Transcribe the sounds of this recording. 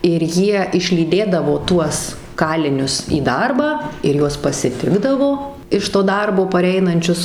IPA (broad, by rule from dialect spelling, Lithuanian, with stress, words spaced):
ɪr ˈjiɛ ɪʃʲlʲiːˈdʲeːdɐʋoː ˈtuɔs ˈkɑːlʲɪnʲʊs iː ˈdɐrbɑː ɪr ˈjuɔs pɐsʲɪˈtʲɪɡdɐʋoː ɪʃ toː ˈdɐrboː pɐˈrʲɛɪnɐnʲt͡ʃʲʊs